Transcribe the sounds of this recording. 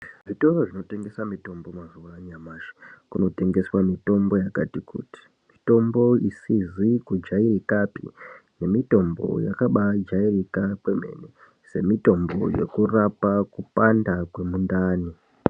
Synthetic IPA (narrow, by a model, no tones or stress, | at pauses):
ʐito̞ro̞ʐino̞te̞ŋɡe̞samito̞mbo̞mazuʋaɲamaːʃi̥kuno̞te̞ŋɡe̞swamito̞mbo̞jakatikṵːti̥ | mito̞mbo̞isizikud͡ʒairikapḭne̞mito̞mbo̞̰ja̰kaɓad͡ʒairikakweme̞̰ne | se̞mito̞mbo̞̰je̞̰kurapakupandakwe̞mundaːni